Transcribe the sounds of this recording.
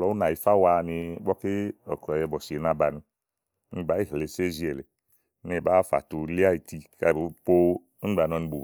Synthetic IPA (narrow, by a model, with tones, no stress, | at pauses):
lɔ˨˦u˦na˨i˨fa˦wa˧ni˧˦bɔ˦ke˦ɔ̰˨kɔ˨ɛ˧˨bɔ˨si˨e˨na˧ba˧ni˧˦ | ni˧˨ba˨˦i˦˨ɦle˨se˦zi˨˦ɛ˨le˨˦ | ne˨ba˦˨fa̰˨tu˧li˦a˦i˨ti˧ka˧˨bpo˦ | i˦ba˨nɔ˧ni˧bu˨